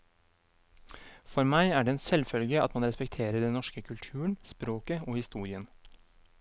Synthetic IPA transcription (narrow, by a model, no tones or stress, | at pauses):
fɔɾmæɪæːɖɛɛːnsɛlfœlɡəɑ̰t̪mɑnɾɛspɛk̚t̪ʰeːɾəɖɛnnɔʂkəkʰʉlt̪ʰʉːəɳspɾoːkəoːhɪst̪uːɾɪən